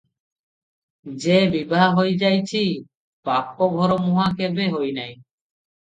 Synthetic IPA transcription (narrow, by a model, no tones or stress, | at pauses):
d͡ʑebibɦaɦojd͡ʑajt͡ɕʰi | papːobʱɔɾomuɦakebeɦojnaj